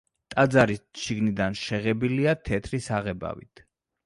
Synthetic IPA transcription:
t̪ʼad̪zaɾiʃiɡnid̪anʃɛʁɛbiliat̪ʰɛt̪ʰɾisaʁɛba̰vḭt̪ʰ

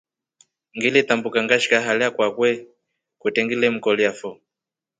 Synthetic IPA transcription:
ŋɡilɛtambukaŋɡaʃi̥kaɦalɛakwakwɛ | kwɛtɛŋɡilɛm̩kɔljafɔ

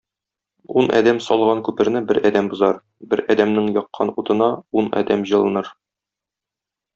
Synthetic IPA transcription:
unʔɒ̰d̪æmsɒlˠʁɑŋkʉpɘ̆ɾnɘbɘɾʔɒd̪æmbŏzɑɾ | bɘɾɒd̪æmnɘŋjɒqːɑnut̪ɤ̆nɑunɒ̰d̪æmʑɤ̆lˠɤ̆nɤɾ

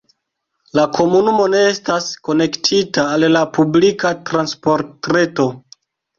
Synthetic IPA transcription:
lakʰo̞munumo̞ne̞estasko̞ne̞ktʰitaːllapublikatɾanspo̞ɾtɾe̞to̞

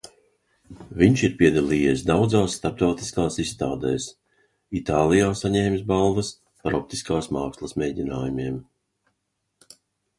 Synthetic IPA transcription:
viɲʃiɾpiɛd̪alˠiːjiɛs̬d̪awd̪zaːsːt̪aɾp̚t̪awt̪i̥skaːsist̪aːd̪ɛːs | it̪aːlˠijaːsaɲɛːmʲsbalˠvɐs | paɾɔp̚t̪iskaːsmaːkslˠɐsmʲɛːdʲinaːjumʲiɛm

